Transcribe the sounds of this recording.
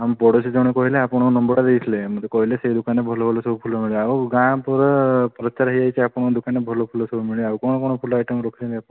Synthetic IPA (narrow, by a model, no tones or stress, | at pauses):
ampɔɽɔsʰid͡ʒɔwɽ̃ekɔɦileapɔɽ̃ɔnɔmbɔɽad̪ejsʰlemut̪ekɔɦileseɦid̪ukanːebʱɔlɔbʱɔlɔsɔbʱupʰulɔmiɭauɡãpɔɾpɔɾɔtt͡ʃːaɾaɦiajt͡ʃʰiapɔɽ̃ɔd̪ukanːebʱɔlɔpʰulɔsɔbumiɭawkɔɳ̃ɔkɔɽ̃ɔpʰulɔajʈəmɾɔkʰisʰiliapɽ̃